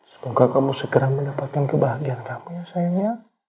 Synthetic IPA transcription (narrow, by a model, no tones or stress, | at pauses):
sə̥mukakamusəkəɾaŋməndapat̪̚kankəbaɦaɡiankamujasajaja